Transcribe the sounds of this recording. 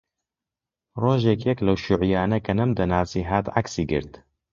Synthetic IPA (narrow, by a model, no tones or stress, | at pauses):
roːʒekjɛklɐwʃuʕijaːnɐkɐnɐmd̪ɐnaːsiːɦaːt̪ʕaksiːɡɨ̰ɾt̪